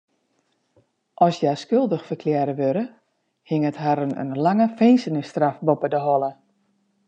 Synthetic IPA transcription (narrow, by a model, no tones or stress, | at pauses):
ʔɔsjaskølˠdəxfərkʰljɛːɾəʋøɾə | hɪŋətɦaɾənə̰nlaŋəfensənɪstrafbopədəɦɔlˠə